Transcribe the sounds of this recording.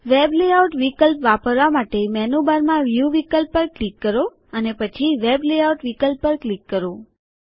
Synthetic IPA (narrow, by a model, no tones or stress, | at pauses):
ʋebleauʈʋikəlpʋapəɾʋamaʈemɛnubaɾmãʋjuʋikəlpːəɾklikːəɾo | ənepət͡ʃʰiʋebleauʈʋikəlpːəɾklikːəɾo